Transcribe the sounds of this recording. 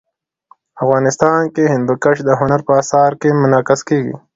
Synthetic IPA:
afɣɑːnɪst̪ɑːnkehɪ̃nd̪ukaʃd̪əɦʊnaɾpəːsɑːɾkemʊnɑːkɪskeːɡḭ

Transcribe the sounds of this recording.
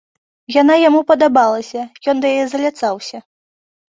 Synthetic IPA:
janajamupɐd̪abalˠɐsʲɐjɔnd̪ɐjajɛzɐlʲat̪sawsʲɐ

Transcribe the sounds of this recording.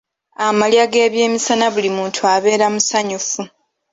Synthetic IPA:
amaljaɡe̞ːβje̞ːmisanaβulimuːntʰuaβe̞ːɾamusaɲufu

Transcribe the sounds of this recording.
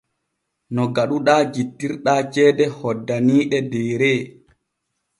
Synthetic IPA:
nɔɡaɗuɗaːd͡ʒitːiɾɗaːt͡ʃɛːdɛhɔdːaniːɗɛdɛːɾɛ

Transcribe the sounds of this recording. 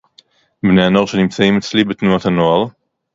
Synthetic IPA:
bneano̞ʁʃenimt͡saimet͡slibet̪nuat̪hanoaʁ

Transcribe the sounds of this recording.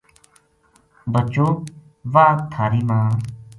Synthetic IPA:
bət͡ʃoː | ʋaːt̪ʰaːɾiːmãː

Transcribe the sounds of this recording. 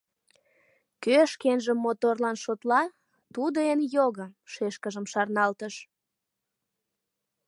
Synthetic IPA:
køʃkenʒə̆mːot̪orlɑnʃot̪lɑ | t̪ud̪əenjoɣəʃeʃkəʒəmʃɑrnɑlt̪əʃ

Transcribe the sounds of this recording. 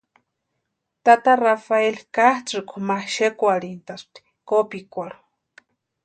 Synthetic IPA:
t̪at̪arafaelkaht͡sɨkumaʃekʷaɽint̪ast̪i̥ | kopikʷaɺu̥

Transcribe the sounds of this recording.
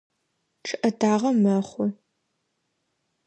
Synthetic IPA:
ʈ͡ʂʰɨʔɐdaːʁɐmɐχʷʊ

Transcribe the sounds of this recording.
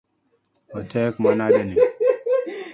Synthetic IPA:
ɔtɛkmanadeni

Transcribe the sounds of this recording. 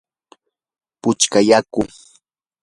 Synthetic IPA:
pʊt͡ʃkajakʊŋ

